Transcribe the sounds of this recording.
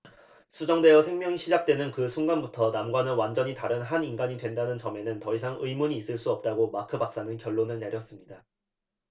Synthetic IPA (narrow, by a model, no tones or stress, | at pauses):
sʰud͡ʑʌŋdwe̞jʌsʰe̞ŋmjʌŋiɕʰid͡ʑak̚t͈we̞nɯnkɯsʰunɡanbutʰʌnamɡwanɯwand͡ʑʌɲitaɾɯnɦaninɡaɲidwe̞ndanɯnt͡ɕʌme̞nɯntʌisʰaŋɯimuɲiːs͈ɯɭs͈uʌp̚t͈aɡomakʰɯbak̚s͈anɯnkjʌɭːonɯɭne̞ɾjʌs͈ɯmɲida